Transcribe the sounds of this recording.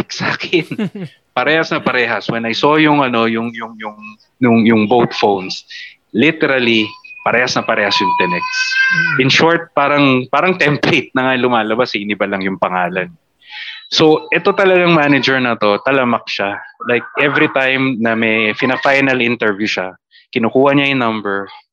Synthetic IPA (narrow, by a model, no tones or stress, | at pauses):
ksaːkɪn | pɐɾɛːhɐsnɐpɐɾɛːɦɐswɛnɐjso̞ːjʊŋɐno̞jʊŋjʊŋjʊŋ | nʊŋjʊŋbowt̪fowns | lit̪ɛɾɐlipɐɾɛːhɐsnɐpɐɾɛːhɐsjʊŋt̪ɛnɛk̪̚sʔɪnʃɔɹt̪̚paːɾɐŋpaːɾɐŋt̪ɛmplejt̪̚nɐŋalʊmaːlɐbasɐɪnɪbalɐŋjʊŋpɐŋaːlɐn | soʔɛt̪o̞t̪ɐlɐɡaŋmaːnɐd͡ʒɛɹnɐt̪o̞t̪ɐlɐmɐk̚ʃalajk̚ʔɛvɾit̪ajmnɐmɛfɪnɐfajnɐlʔɪnt̪ɛɹvjuʃa | kɪnukuːhɐɲaɪnɐ̃mbɛɹ